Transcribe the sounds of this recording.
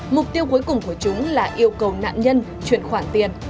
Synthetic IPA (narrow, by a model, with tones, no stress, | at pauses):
mʊ˨˩k͡p̚t̪i˧əwku˨˦jkʊ˨˩ŋ͡mku˧˩ət͡ɕʊ˨˦ŋ͡mlaː˨˩ʔi˧əwkə˨˩wna̰ː˧˨mɲə˧n | t͡ɕwḭ˧˩ənxwaː˧˩nt̪i˨˩ən